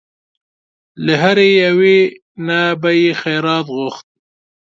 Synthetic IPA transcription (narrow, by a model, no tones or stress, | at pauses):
ləɦaɾejawe | nabajixajɾɑːt̪ɣʊxt̪̚